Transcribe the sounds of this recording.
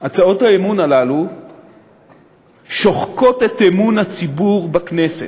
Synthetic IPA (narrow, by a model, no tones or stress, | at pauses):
at͡sao̞thaemunalalu | ʃoχko̞t̪e̞t̪emunhat͡sibuʁbakne̞set